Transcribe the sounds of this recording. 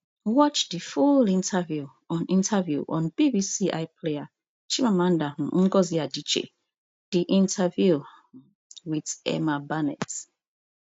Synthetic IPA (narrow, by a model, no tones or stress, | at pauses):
wɔt͡ʃdifulĩntʰavju | ɔ̃nĩntʰavjuʔɔ̰̃nb̥ibisiʔa̰ɪpʰlea | t͡ʃimamãndam̩ŋ̩ɡɔziadit͡ʃḛ | d̥iʔĩntʰavju | widɛ̰mabanɛ̰t